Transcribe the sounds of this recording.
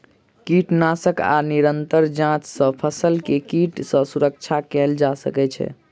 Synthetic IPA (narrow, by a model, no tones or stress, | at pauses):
kiʈnasəka̰niɾənt̪əɾd͡ʒãt͡ʃsə̃pʰəsəlkekiʈsə̃suɾək̚t͡ʃʰakɛld͡ʒasə̰kɛt͡ʃʰɛ̰